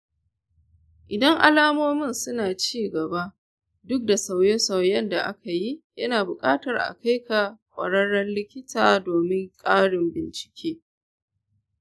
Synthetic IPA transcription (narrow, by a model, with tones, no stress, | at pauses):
ʔɪ˨dɐ˦ŋʔa̰˨laː˦moː˦mɪ˦˨nsʊ˦naː˨t͡ʃiː˦˨ɡɐ˨ba˦ | dʊ˦k̚da˨sa˨wje˦sa˨wjɛ˦nda˨ʔa̰˦ka˨ji˦jɐ˦naː˨bʊ˨kʼaː˦tɐ˨rʔa̰˨ka˦jka˨kʷʼɐ̰˨ɽɐ˦ɽːɐ˦nlɪ˦kʲɪ˦tʰaː˨doː˨mɪ˦ŋkʼaː˦ɽɪ˨mbɪ˨nt͡ʃɪ̥˨kʲʰeː˦